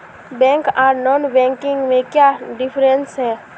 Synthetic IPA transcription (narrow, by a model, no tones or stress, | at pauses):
bɛ̃ːŋkaːɾnɔːnbɛ̃ŋkɪŋɡmẽkjaːɖɪpʰɾənsɦɛː